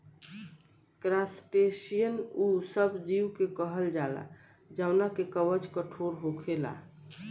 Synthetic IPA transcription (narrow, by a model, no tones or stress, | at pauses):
kɾasʈesijənusəbd͡ʒiwkekəɦəld͡ʒala̰ | d͡ʒanakekəʋət͡ʃkəʈʰoɾɦokʰela̰